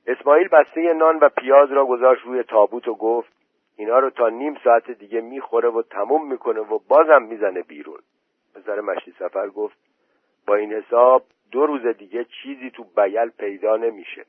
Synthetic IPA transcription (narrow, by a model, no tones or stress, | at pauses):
ʔe̞smɒːiːlbæst̪e̞je̞nɒːnvæpʰijɒːzɾɒːɡo̞zɒːʃt̪ɾuːje̞t̪ʰɒːbuːt̪ʰoɡoft̪̚ | iːnhɒːɾoːt̪ʰɒːniːmsɒːæt̪ʰed̪iːɟe̞miːxo̞ɾe̞vot̪ʰæmuːmːiːkʰo̞ne̞vobɒːzæmːiːzæne̞bḭːɾṵːn | pʰe̞sæɾemæʃt̪iːsæfæɾɡoft̪̚ | bɒːiːnhe̞sɒːb̚ | d̪oɾuːze̞d̪iːɟe̞t͡ʃʰiːziːt̪ʰubæɟælpʰe̞jd̪ɒːne̞miːʃḛ